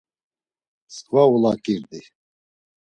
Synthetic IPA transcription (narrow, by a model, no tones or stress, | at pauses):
skʼvaulakʼiɾd̪i